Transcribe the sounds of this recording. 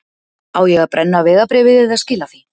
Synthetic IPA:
aweɣapɾʔanːaβeɣapɾeβeðeðaskilaθi

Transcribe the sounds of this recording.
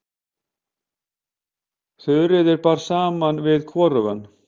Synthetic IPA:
θœðɾɪðɪɾpaːɾ̥saːmanvɪðkʰvɔːɾʏvan

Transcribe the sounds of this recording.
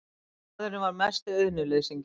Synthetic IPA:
ðʏɾʏvaɾmɛst̪œðnʏleðsimc

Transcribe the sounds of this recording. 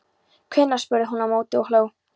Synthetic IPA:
kʰvɪnːḁspʏɾðɪɦunːamoːwt̪ɪɔhloːw

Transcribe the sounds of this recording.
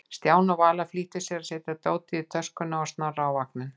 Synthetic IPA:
st̪jaːwnavaːlafliːht̪ʏsjɛɾasɛt̪ɪt̪oːwt̪ɪðɪt̪ʰœskʏnaɔst̪naraːwvaknɪn

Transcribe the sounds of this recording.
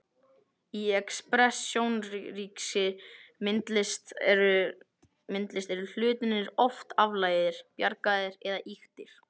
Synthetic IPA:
iɛkspɾɛsjownriːksɪmɪnt̪lɪst̪ɾʏ | mɪnt̪lɪst̪ɛɾʏl̥ʏːt̪ɪnːɪɾɔft̪avlaːjðɪɾ̥pjaɾkaðɪɾɛðaʔixt̪ɪɾ̥

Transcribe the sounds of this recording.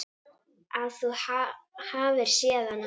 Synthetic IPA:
aθɔhahaːvɪɾ̥sjɛːðan

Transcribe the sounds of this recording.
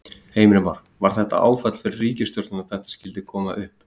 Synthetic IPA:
heːjmɾɪmaɾ̥ | vaɾ̥θɛht̪a̰ʔa̰ːwfat̪l̥fɪɾɪrːiːcɪst̪jɔɾt̪nɪnaðθɛht̪ḁscɪlt̪ɪkʰɔːmaʔʏhp

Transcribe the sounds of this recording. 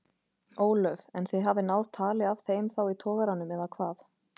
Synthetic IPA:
oːwlœvɛnθeðɦavðɪnawðt̪ʰaːlɪav̥θeːjmθawit̪ʰɔːɣaɾanːʏmɛðakʰvaːθ

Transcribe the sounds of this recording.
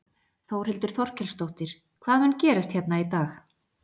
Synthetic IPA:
θowr̥ɪlt̪ʏɾ̥θɔr̥cʰɛlst̪owht̪ɪɾ̥ | kʰvaːðmɛncɛːɾast̪çɛt̪nait̪aːx

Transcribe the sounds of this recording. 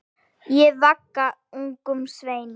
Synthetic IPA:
jɛvakːa | uŋkʏmsveːjnɪ

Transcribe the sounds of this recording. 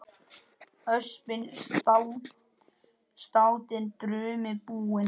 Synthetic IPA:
œspɪnst̪aw | st̪aːwt̪ɪnt̪ɾʏːmɪpuːɪn

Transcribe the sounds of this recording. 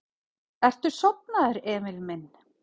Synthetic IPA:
ɛr̥t̪ʏɾ̥sɔp̚naðɪɾɛːmɪlmɪnː

